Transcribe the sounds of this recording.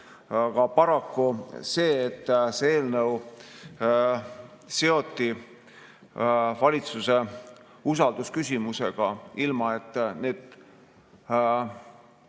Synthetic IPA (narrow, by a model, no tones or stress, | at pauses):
kɑpɑɾɑkːuse̞ːet̪ːˑseeːlnəw | se̞o̞t̪ːi | vɑlʲit̪suse̞ | usɑld̪̥uskysʲimuse̞ɡ̥ɑilmɑe̞t̪ːˑne̞ːd̪̥